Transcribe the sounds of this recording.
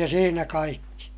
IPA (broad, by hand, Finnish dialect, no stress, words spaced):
jɑ siːnæ kɑikːi